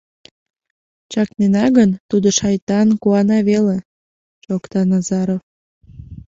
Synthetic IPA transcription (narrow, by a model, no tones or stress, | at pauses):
t͡ɕɑknenɑɣənt̪ud̪oʃɑjt̪ɑnkuɑnɑβele | ʃokt̪ɑnɑzɑɾof